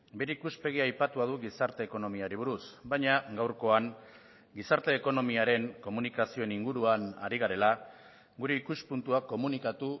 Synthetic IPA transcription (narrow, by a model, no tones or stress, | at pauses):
be̞ɾikuspe̞ɣ̞iajpat̪uað̞uɣisaɾt̪e̞ːko̞no̞miaɾiβ̞uɾusbajɲaɡawɾko̞aŋ | ɡisaɾt̪e̞ːko̞no̞miaɾe̞ŋko̞munikasio̞eniŋɡuɾuana̰ɾiɣ̞aɾe̞la | ɡuɾe̞ikuspunt̪uakːo̞munikat̪u